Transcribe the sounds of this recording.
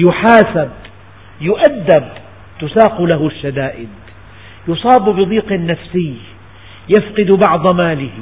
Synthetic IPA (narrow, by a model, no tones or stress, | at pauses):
jʊħaːsab̚ | jʊʔad̪ːab | t̪ʊsaːqulaɦʊʃːad̪aːʔɪd̪̚ | jʊsˤɑːbbɨd̪ˤiːqnːafsɪjː | jafqɪd̪bɑʕd̪ˤmaːlɪh